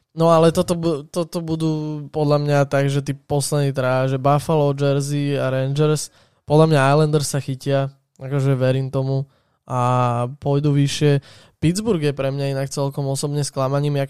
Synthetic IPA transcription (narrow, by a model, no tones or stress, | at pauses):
nɔalɛt̪ɔt̪ɔbut̪ɔt̪ɔbud̪uːpɔd̪lʎamɲat̪aɡʒɛt̪iːpɔslɛd̪niːt̪ɾaʒɛbafalɔd͡ʒɛɾziaɾɛnd͡ʒɛɾs | pɔd̪ʎamɲaajland̪ɛɾsːaxicɪa | akɔʒɛʋɛɾiːmt̪ɔmu | apʊɔjd̪uʋiʃɪɛ | pid͡zbuɾɡjɛpɾɛmɲainak̚t͡sɛlkɔmɔsɔbɲɛsklamaɲiːma